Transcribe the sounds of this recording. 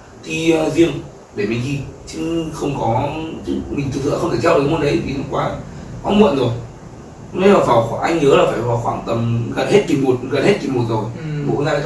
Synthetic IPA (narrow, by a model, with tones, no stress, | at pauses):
t̪ʰi˨˩ə˨˩zi˧əŋ | ɗe˧˩mi˨˩zi˨˩t͡ɕɨ˨˦ŋxə˧wŋ͡mkɔ˨˦t͡ɕɨ˦˥k̚mi˨˩ŋʰɨ˧˨t̪ɨ̰˧˨xə˧wŋ͡mt̪eː˧˩t͡ɕɛ˧˥wŋ͡mmo˧˩nɗə˨˦jvʰi˨˩t̪ə˧˦ŋ͡mkwaː˧kɔ˨˦mə̰˧˨nzo˨˩j | ŋ͡mne˨˦laː˨˩vaː˨˩wxa˧˩ʔa˧jŋɲəː˨˦laː˨˩faː˧˩jhaː˨˩xwaː˧˩nt̪ə˨˩mɣə˨˩nhe˦˥t̚ki˨˩mo˨˩t̚ɣə˨˩nhe˦˥t̚ki˨˩mo˨˩t̚zo˨˩jɓo̰˧˨˧naː˧˨˧